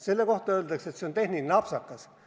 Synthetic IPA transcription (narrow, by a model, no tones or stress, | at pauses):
se̞lːeko̞ht̪ɑøːld̪̥ɑkset̪seont̪e̞hnilʲineɑpsɑkːɑs